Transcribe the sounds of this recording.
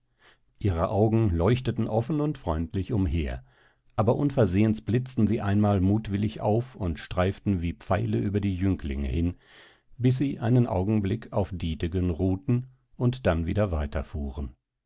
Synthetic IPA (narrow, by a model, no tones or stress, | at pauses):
ʔiːʁəʔaʊɡŋ̩lɔʏçtətn̩ʔɔfn̩ʊntfʁ̥ɔʏntlɪçʊmɦeːɐ | ʔaːbɐʔʊnfɛɐzeːənsb̥lɪt͡stn̩ziːʔaɪnmaːlmuːtv̥ɪlɪçʔa̰ʊfʊntʃtʁ̥aɪftn̩viːp͡faɪləʔyːbɐdiːjʏŋkʰlɪ̰ŋə̰hɪn | bɪs̬z̥iːʔaɪnənʔa̰ʊɡŋ̩blɪkʰaʊfd̥iːtɪɡənʁuːtn̩ | ʔʊntd̥anviːdɐvaɪtʰɐ̰fuːʁən